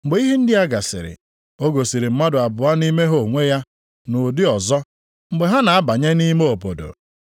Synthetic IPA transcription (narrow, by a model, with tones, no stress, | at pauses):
m̩˨ɡ͡be˨˦i˦ɦi˦n̩˦dɪ˦a˦ɡa˨sɪ̰˨ɾɪ̰˨ | o˦ɡo˨si˨ɾi˨m̩˦ma˦dʊ˨a˨bʊ˨a˦ni˦me˦ɦo˨ŋʷe˦ja˦ | nʊ˨dɪ˦ɔ˨zɔ˦ | ŋ͡m̩˨ɡ͡be˨ɦa˦na˨a˦ba˨ɲe˦ni˦me˦o˨po˨do̰˨